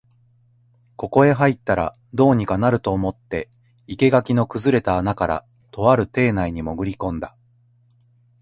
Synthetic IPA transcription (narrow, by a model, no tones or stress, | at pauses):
ko̞ko̞e̞ɦait̪ːaɾa̰ | d̪o̞ːɲ̟ikanaɾɯ̟t̪o̞ːmo̞t̪ːe̞ | ike̞ɡakʲino̞kɯ̟zɨɾe̞t̪aːnakaɾa̰ | t̪o̞βaɾɯ̟t̪e̞ːnaiɲ̟imo̞ɡɯ̟ɾʲikõ̞nd̪a